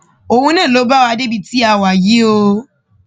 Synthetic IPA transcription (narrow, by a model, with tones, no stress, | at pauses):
o˨hũ˧nãː˦˨lo˨˦ba˦wa˧de˦bi˧ti˨˦a˧˨wa˨ji˨˦o˧